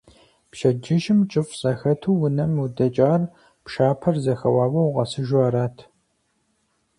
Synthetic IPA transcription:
pʃɐd͡ʒɪʒɪmt͡ʃʼɨfɕʼɐxɐtʰuːwʊnɐmudɐt͡ʃʼaːr | pʃaːpʰɐrzɐxɐwaːwɐwʁɐsɨʒʷaːɾaːtʰ

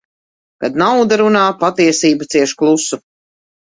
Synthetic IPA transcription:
kad̪nawd̪aɾunaːpat̪iɛsiːbɐt̪siɛʃklˠusu

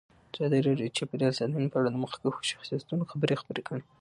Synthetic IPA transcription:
zɑd̪aɾeɾet͡ʃepɾiɑlsad̪anpəaɽad̪əməxḁkaxo̥ʃḁxsijat̪unoxabəɾexḁbəɾekəɽe

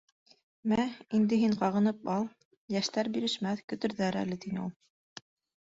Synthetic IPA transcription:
mæind̪ɘɦiɴqɑʁɤ̆nɤpɑlˠ | jæʃt̪æɾbiɾɘ̆ʃmæθkɵ̆t̪ɵ̆ɾðæɾæ̰lɘt̪inɘulˠ

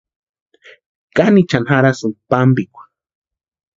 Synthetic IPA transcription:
kanit͡ʃanxaɾasuŋpambikʷḁ

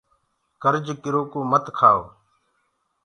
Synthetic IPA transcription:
kəɾd͡ʒkɪɾoːkoːmət̪kʰaːo̰ː

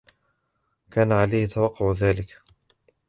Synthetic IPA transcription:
kaːnaʕalajhɪt̪awɑqːʊʕðaːlɪk

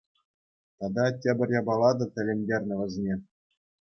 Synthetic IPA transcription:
t̪ɑd̪ɑtʲebʲɘ̆rʲjɑbɑlˠɑd̪ɤ̆t̪ʲɘ̆lʲĕmʲdʲerʲnʲɘ̆ʋʲɘ̆zʲnʲe

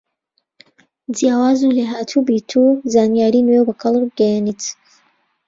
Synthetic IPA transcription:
djaːwaːzuleːɦaːt̪ʰubiːt̪ʰuzaːnijaːɾiːnwewbɐkʰɐlˠbbɡɛjanit̪

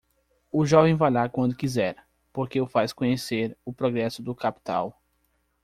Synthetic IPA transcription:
ʊʒɔvẽj̃vajlaɾkwɐ̃nd̪ʊkizɛɾ | poɾkeʊfaskõɲeseɾʊpɾɔɡɾɛsʊd̪ʊkapi̥t̪a̰w

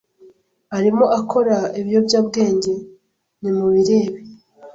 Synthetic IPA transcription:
aɾimo̞ʔakʰo̞ɾaiβjo̞bjaːbɡe̞ːɲɟe̞ | nimuβiɾe̞ːβe

